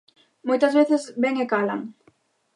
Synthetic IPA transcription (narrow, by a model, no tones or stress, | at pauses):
mojt̪azβeθɪzbeŋekala̰ŋ